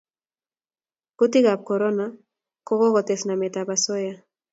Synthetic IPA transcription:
kut̪iɣap̚koɾɔna | koɣɔɣɔt̪ɛsnamɛt̪aβasoja

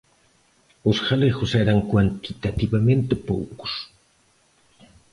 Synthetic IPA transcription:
ʊsxalexʊsɛɾɐŋkwant̪it̪at̪iβamẽnt̪ɪpo̰wkʊ̥s

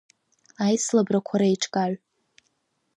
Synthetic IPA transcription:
ajslabrakʷʰaɾaiʈ͡ʂʰkʼaʕʷ

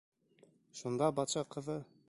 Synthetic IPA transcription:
ʃund̪ɑbɑt̪ʃɑqɤ̆ðɤ

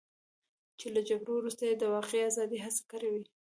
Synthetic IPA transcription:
t͡ʃelad͡ʒaɡɾowɾust̪ajed̪əwɑqeazɑd̪iɦasḁkaɾawi

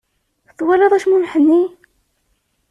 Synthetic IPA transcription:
θwɑlːɑðˤæʃmunħənːi

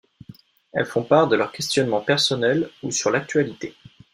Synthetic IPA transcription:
ɛ̰lfɔ̃paʁd̪əlœʁkʲɛst̪jɔnmɑ̃pɛʁsɔnɛlusyʁlak̚t̪ɥalit̪e

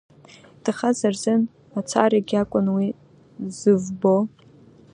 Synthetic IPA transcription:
d̥ɨχazarzɨn | at͡sʷʰa̰raɡʲakʷʼʊnwi | zɨvbo

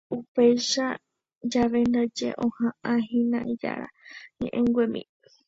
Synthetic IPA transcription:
upejʃa | d͡ʒaʋend̪ad͡ʒḛʔõhãʔãɦĩnãid͡ʒa̰ɾa̰ɲẽʔẽŋɡʷemḭ̃

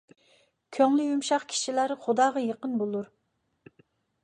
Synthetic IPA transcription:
kʲʰøŋlyjumʃɑqkʲʰi̥ʃilæɾχʊd̪ɑːʁɑjəqənbolˠuɾ

